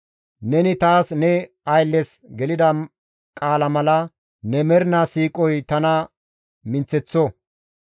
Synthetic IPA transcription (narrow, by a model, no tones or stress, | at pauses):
nɛnɪt̪aːsnɛ | ɐjlːɛsɡɛlɪd̪ɐ | kʼaːlɐmɐlɐ | nɛmɛɾnasiːkʼɔjt̪ɐnɐ | mɪnt͡sːɛt͡sːɔ